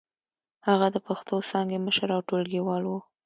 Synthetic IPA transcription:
haɣad̪əpaxt̪osɑŋɡeməʃəɾawʈolɡiwɑlwu

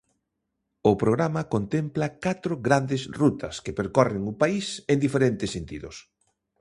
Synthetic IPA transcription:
ʊpɾoɣɾamɐkont̪emplɐkat̪ɾʊɣɾand̪ɪsrut̪ʰɐskepeɾkɔrɪŋʊpaiseŋnd̪ifeɾent̪ɪsːent̪ḭðʊs

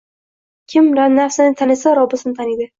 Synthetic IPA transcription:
kʲʰɪmɾanafsɪnɪt̪ʰanɪsaɾɒbɪsɪnɪt̪ʰanid̪ɪ

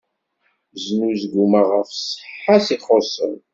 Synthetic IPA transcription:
znuzɡumaʁəfsəħːasiχosˤə̰m

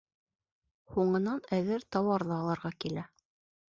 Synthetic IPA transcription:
huɴɤ̆nɑnæðɘɾt̪ɑwɑɾðɤɑlˠɤ̆ɾʁɑkilæ

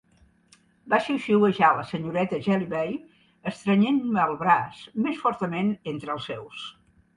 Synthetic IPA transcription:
baʃiwʃiwəʒaləsəɲuɾɛt̪əʒɛliβɛj | əst̪ɾəɲenməːlˠβɾasmesfɔɾt̪əmenent̪ɾəlˠsːɛws

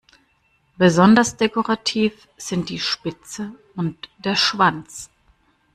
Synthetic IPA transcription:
b̥əzɔndɐsd̥ekoʁatʰiːf | z̥ɪnt̚d̥iːʃpɪt͡sə | ʊntd̥eːɐʃv̥ant͡s

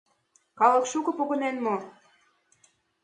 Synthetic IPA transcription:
kɑlɤ̆kʃukɤ̆poɣɤ̆nenmo

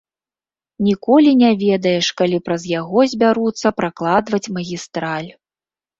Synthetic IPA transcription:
nʲikɔlʲinʲavʲɛd̪ɐjɛʂkalʲipɾɐzjaɣɔzʲbʲaɾut̪sːɐpɾaklˠad̪vɐt͡sʲmɐɣʲist̪ɾalʲ

